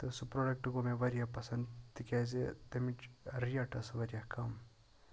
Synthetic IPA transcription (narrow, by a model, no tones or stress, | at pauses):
t̪ɐsupɾoɖɐk̚ʈɡomeʋɐɾijapɐsɐnd̪t̪ikʲazet̪emiʈɾijaʈɐsʋɐɾijakɐm